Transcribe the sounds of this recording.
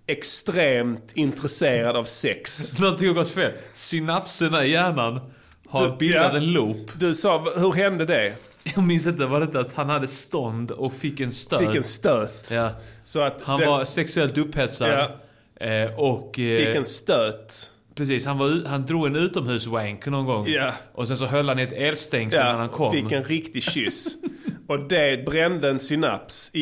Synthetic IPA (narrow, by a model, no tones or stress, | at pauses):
ɛkst̪ɾeːmt̪ʰɪnt̪ɾɛseːɾad̪avsɛksnɔnt̪ɪŋhaɡɔt̪ːfeːlsɪnapsənaɪjæːɳan | haɾbɪld̪at̪ɛnluːpd̪ɵsɑːhɵɾɦɛnd̪əd̪ɛ | jɑɡmɪns̬ɪnt̪̬əvadɛt̪ːəaat̪hanhad̪ːəst̪ɔnd̪ɔkfɪkːɛnst̪øɪɛnst̪øːt̪jaːsɔat̪hanvaɾsɛksɵɛlt̪ɵpːhɛt̪sad̪ | ʔɔkffɪɛnst̪øːt̪ | pʰɾɛs̬iːshanvaɾʉːhand̪ɾuːɡɛnʉ̟ːt̪ɔmhʉ̟ːswæŋknɔnɡɔŋːjaʔɔsɛns̬ɔɦœlːhanɪɛt̪eːlst̪ɛŋinanhankʰɔmɪɛnɾɪkt̪ɪɕʏs | ɔd̪ɛbɾɛnd̪əɛnsʏna̰psɪ